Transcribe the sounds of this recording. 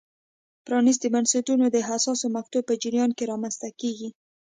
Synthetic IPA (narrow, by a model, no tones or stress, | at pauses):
pɾɑnis̬d̪əbansatunod̪əɦasɑsomaxt̪ub̚pəd͡ʒɪɾjɑnkeɾɑmanst̪akeɡi